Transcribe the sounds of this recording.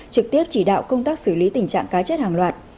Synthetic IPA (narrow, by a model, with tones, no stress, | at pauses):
t͡ɕɨ˨˩k̚t̪i˦˥əp̚t͡ɕi˧˩ɗa̰ː˧˨wkə˧wŋ͡mt̪aː˦˥k̚sɨ˧˩li˨˦t̪ï˨˩ŋt͡ɕa̰ː˧˨ŋkaː˨˦t͡ɕə˦˥t̚haː˨˩ŋlwaː˨˩t̚